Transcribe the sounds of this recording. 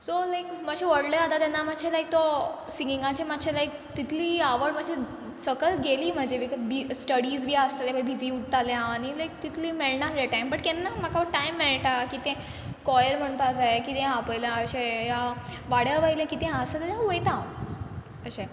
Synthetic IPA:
solajkməɕʰeʋəɽleat̪at̪anamaɕʰelajk̚t̪ɔ | siŋɡiŋɡãt͡ɕematːɕʰelajk̚ | t̪it̪ʰliːaʋəɽməɡɕʰe | səkəlɡeliːm̤əd͡ʑʱeʋikəbisʈəɽiːd͡zbʱiːasalebajbʱid͡ziːuʈt̪aljãːɽ̃ilajk̚t̪it̪ʰliːmeɭnaɾɾeʈajmbəʈkɛnːamakʰaʋəɾʈajmːeɭʈakit̪ɛ̃ | kɔjəɾm̤əɳ̃pad͡zajekit̪ẽapəjljãəɕeja | ʋaɽjaʋailãkit̪ẽasət̪aãuəjt̪ã | əɕẽ

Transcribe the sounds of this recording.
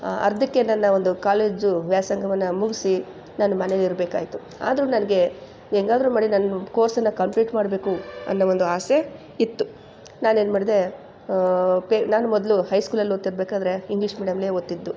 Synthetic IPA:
ɐ̰ɾd̪ɐkːenɐnːɐond̪ukaːle̞ːd͡ʒuʋjaːsɐŋɡʱɐʋɐnːɐmuɡisi | nanumɐneliɾbeːka̰ːjit̪u | a̰ːd̪ɐɾuːnɐnɐɡe̞ | eŋɡaːd̪ɾumaːɽinɐnuko̞ːɾsɐnːɐkɐmpliːʈmaːɽbe̞ːkuɐ̰nːɐʋo̞nd̪uaːse | it̪ːu | naːneːnmaːɽid̪e̞ | penaːnumɔd̪ɐluhɐjskuːlɐlːot̪ːiɾbeːkaːd̪ɐɾe̞iŋɡliʂmiːɽijɐmleːot̪ːid̪ːu

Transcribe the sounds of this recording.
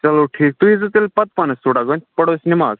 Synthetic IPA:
t͡ʃɐloʈʰiːk̚t̪uɦĩzut̪elpɐt̪̚panəst̪uːɽaɡonʲpəɽoːsnimaːz

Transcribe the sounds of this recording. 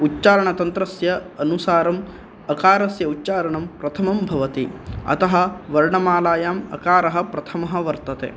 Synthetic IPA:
utːt͡ʃaːɾɐɳɐt̪ɐnt̪ɾɐsjɐɐnusaːɾɐm | ɐkaːɾɐsjɐutːt͡ʃaːɾɐɳɐmpɾɐt̪ʰɐmɐmbʱɐʋɐt̪iɐ̰t̪ɐɦɐ̆ʋɐɾɳɐmaːlaːjaːmɐ̰kaːɾɐɦɐpɾɐt̪ʰɐmɐɦɐʋɐɾt̪ɐt̪ḛː

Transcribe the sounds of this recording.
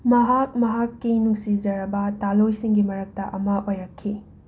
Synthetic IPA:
mɐɦak̚mɐɦakːijnuŋsizɐɾɐbɐtalojsiŋɡimɐɾɐk̚tɐʔɐmɐʔojɾɐkʰːi

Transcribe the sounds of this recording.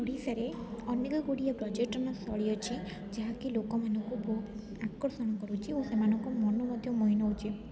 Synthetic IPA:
uɽisaɾeɔneɡɔɡuɽijabɾɔd͡ʒeʈɔnɔsɔɭiɔt͡ʃʰi | d͡ʒaɦakilokɔmanɔŋkubʱo | akɔɾsɔɽ̃ɔkɔɾut͡ʃʰiosemanɔŋkɔmɔnɔmɔd̪ʱjɔmɔɦinɔwt͡ʃʰi

